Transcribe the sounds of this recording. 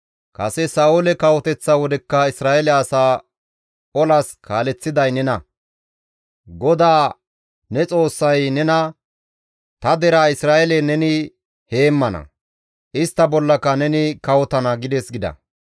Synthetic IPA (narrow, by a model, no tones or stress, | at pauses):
kɐsɛsaːʊlɛkɐwɔt̪ɛt͡sːawɔd̪ɛkːɐɪsɾaːʔɛlɛɐsaː | ɔlɐskʰaːlɛt͡sːɪd̪ɐjnɛnɐ | ɡɔd̪aː | nɛt͡sʼo̞ːsːɐjnɛnɐ | t̪ɐd̪ɛɾaːɪsɾaːʔɛlɛnɛnɪ | he̞ːmːɐnɐ̰ | ʔɪst̪ːɐbɔlːɐkːɐnɛnɪkɐwɔt̪ɐnɐɡɪd̪ɛsɡɪd̪ɐ̰